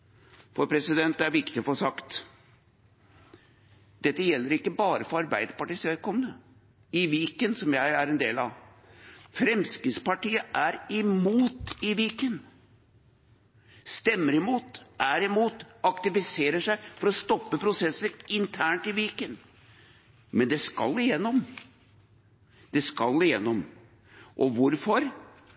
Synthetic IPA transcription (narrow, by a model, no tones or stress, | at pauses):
fɔɾpʰɾɛsɪd̪ɛnt̪̚d̪ɛæɾʋɪkt̪ɪɔfosɑkt̪ | d̪̥ɛt̪ːəjɛlːəɾɪkːəbɑːɾəfɔɾɑɾbæɪd̪əpɑʈiːst̪ʋɛlkʰɔmənə | ɪʋiːkənsɔmjæɪæɾɛnd̪eːlɑ̰ʋ | fɾɛmskɪspɑʈiːəʔæɾɪmuːt̪ɪʋiːkən | st̪ɛmːəɾɪmuːt̪d̪æɾɪmuːt̪ɑkt̪ɪfɪseːɾəʂæɪfɔɾɔst̪ɔpːəpʰɾʊsɛsːəɾɪnt̪ʰæːɳʈɪʋiːkən | mɛnd̪ɛskɑ̰lːɪjɛnːɔm | d̪ɛskɑlːɪjɛ̰nːɔm | ʔɔʋʊɾfɔɾ